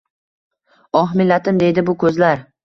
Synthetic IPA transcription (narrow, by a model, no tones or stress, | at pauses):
ɒɦmɪlːat̪ʰɪmd̪e̞jd̪ɪbʊkʰɵzlaɾ